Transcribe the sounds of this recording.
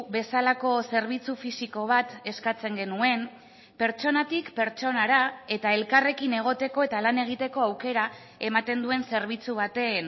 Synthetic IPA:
βe̞salako̞se̞ɾβ̞it͡sufisiko̞β̞at̪e̞skat͡se̞ŋɡe̞nue̞m | pe̞ɾt͡ʃo̞nat̪ikpe̞ɾt͡ʃo̞naɾae̞t̪ae̞lkare̞kine̞ɣ̞o̞t̪e̞ko̞e̞t̪alane̞ɣ̞it̪e̞ko̞awke̞ɾa | e̞mat̪e̞nd̪ue̞nse̞ɾβ̞it͡suβ̞at̪e̞n

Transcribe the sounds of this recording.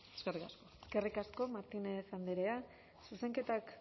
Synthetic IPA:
eskerikaskoske̞rikasko̞maɾt̪inesand̪eɾea | suse̞ŋke̞t̪ak

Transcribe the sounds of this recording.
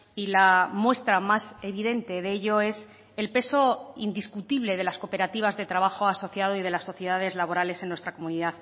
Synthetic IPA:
ilamwe̞st̪ɾamase̞βiðe̞nt̪e̞ðeeʎo̞e̞s | e̞lpe̞so̞ind̪iskut̪iβ̞le̞ð̞e̞lasko̞pe̞ɾat̪iβ̞azðe̞t̪ɾaβ̞axo̞aso̞θjaðo̞iðe̞lasːo̞θje̞ðaðe̞zlaβo̞ɾale̞senːwe̞st̪ɾako̞muniðað

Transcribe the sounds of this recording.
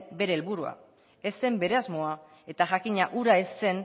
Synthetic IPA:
be̞ɾe̞ːlβuɾua̰ | e̞se̞mbe̞ɾe̞azmo̞a | e̞t̪aʝakiɲaʔuɾaesːe̞n

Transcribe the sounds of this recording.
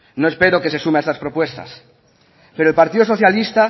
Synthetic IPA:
noe̞speɾoke̞sesumeaest̪aspɾopwest̪a̰s | peɾoelpaɾt̪iðosoθjalist̪a

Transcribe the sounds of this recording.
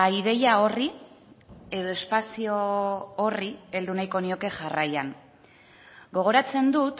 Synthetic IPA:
aiðe̞jao̞ri | e̞ð̞o̞e̞spasio̞orie̞ld̪unajko̞nio̞ke̞ʝarajan | ɡo̞ɣ̞o̞ɾat͡se̞nd̪ut̪

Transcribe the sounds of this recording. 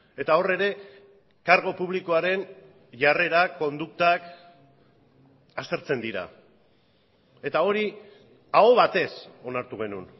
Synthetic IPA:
e̞t̪ao̞re̞ɾe̞ | kaɾɣo̞puβlikoaɾe̞n | ʝare̞ɾako̞nd̪uk̚t̪ak | ast̪e̞ɾt͡se̞nd̪iɾa̰ | e̞t̪ao̞ɾi | ao̞βat̪e̞so̞naɾt̪uɣ̞e̞nṵn

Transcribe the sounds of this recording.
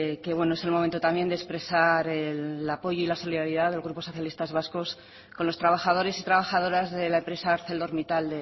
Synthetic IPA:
ke̞βwe̞noese̞lmo̞mẽnt̪ot̪amje̞nd̪espɾe̞saɾelapo̞joilaso̞liðaɾiðaðe̞lɣɾupo̞so̞θjalist̪azβaskos | konlo̞st̪ɾaβ̞axað̞o̞ɾe̞sit̪ɾaβaxaðo̞ɾazðe̞laempɾe̞saːɾθe̞ld̪o̞ɾmit̪ald̪e

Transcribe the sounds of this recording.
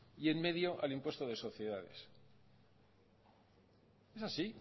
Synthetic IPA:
ie̞nme̞ðjo̞ʔalimpwe̞st̪oðe̞so̞θje̞ðað̞e̞̰s | e̞sasi

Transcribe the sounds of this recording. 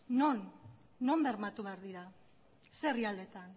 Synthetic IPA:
no̞nː | o̞mbe̞ɾmat̪uβeaɾðiɾa | seriald̪e̞t̪an

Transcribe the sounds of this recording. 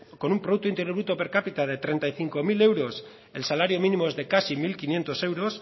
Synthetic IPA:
ko̞numpɾouk̚t̪oint̪eɾjoβɾut̪o̞pe̞ɾkapit̪að̞e̞t̪ɾe̞nt̪ajθiŋko̞mile̞wɾo̞s | e̞lsalaɾjo̞minimo̞ezðe̞kasimilkinje̞nt̪o̞se̞wɾo̞s

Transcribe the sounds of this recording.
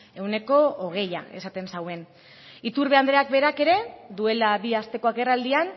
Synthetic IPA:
e̞wne̞ko̞oɣ̞e̞ja̰e̞̰sat̪e̞nsawe̞n | it̪uɾβe̞and̪ɾeak̚be̞ɾake̞ɾe̞ðue̞laβiast̪e̞ko̞ake̞rald̪ian

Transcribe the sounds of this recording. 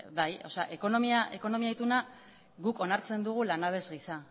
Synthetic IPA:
bajo̞seaʔe̞ko̞nomiaʔe̞ko̞no̞miait̪una | ɡuko̞naɾt͡se̞nd̪uɣ̞ulanaβ̞e̞zɣisa

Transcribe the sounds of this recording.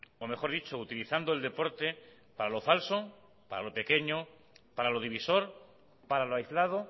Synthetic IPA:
o̞me̞xo̞ɾðit͡ʃout̪iliθand̪old̪e̞po̞ɾt̪e̞ | paɾalo̞falso̞ | paɾa̰lo̞pe̞ke̞ɲo | paɾalo̞ð̞iβiso̞ɾ | paɾaloajzlað̞o

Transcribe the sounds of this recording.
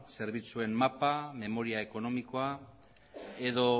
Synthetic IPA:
se̞ɾβit͡sue̞mmapame̞mo̞ɾiae̞ko̞no̞miko̞a | e̞ðo̞

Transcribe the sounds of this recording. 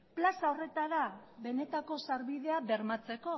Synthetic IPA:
plasao̞re̞t̪aɾaβe̞ne̞t̪ako̞saɾβiðe̞abe̞ɾmat͡se̞ko̞

